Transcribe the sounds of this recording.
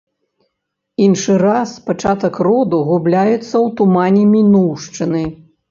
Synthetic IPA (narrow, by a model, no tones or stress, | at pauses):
inʂɨɾaspat͡ʂat̪ɐkrɔd̪uɣublʲajɛt̪sːɐwt̪umanʲɛmʲinuwʂt͡ʂɨnɨ